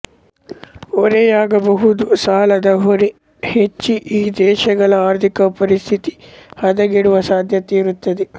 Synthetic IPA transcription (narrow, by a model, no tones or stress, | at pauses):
oɾɛjaːɡɐbɐɦud̪usaːlɐd̪ɐɦoɾe | het͡ʃːiʔiːd̪ɛːʃɐɡɐɭɐaːɾt̪ʰikɐpɐɾist̪ʰit̪i̥hɐd̪ɐɡiɽuʋɐsaːd̪ʱjɐt̪iːɾut̪ːɐd̪e